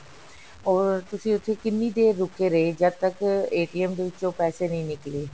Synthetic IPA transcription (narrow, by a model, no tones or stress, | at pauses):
ɔːɾt̪ʊsĩːʊt̪ʰːeːkɪnːiːd̪eːɾːʊkːeːɾəeːd͡ʒəd̪̚t̪əkeːʈiːəmd̪eːʋɪt͡ʃoːpɛːseːnəĩːnɪkleː